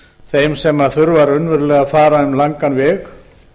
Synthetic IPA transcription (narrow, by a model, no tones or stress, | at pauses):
θejmsɛmːaðθʏɾvaɾʏnvʏɾlɛːɣafaːɾaʏmlaŋkanvɛːx